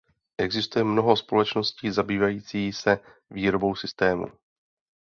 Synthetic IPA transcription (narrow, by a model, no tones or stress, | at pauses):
ʔɛɡzɪst̪ujɛmno̞ɦo̞spo̞lɛt͡ʃno̞sciːzabiːvajiːt͡siːsɛ | viːɾo̞bo̞wsɪst̪ɛːmṵ